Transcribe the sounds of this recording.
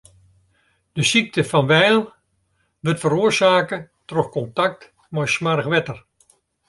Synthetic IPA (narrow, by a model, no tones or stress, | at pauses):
d̥əsik̚təfɑnʋɛjlˠ | ʋətfəɾoːrzaːkə | trɔxkɔntak̚t | mɔjsmarxʋɛtər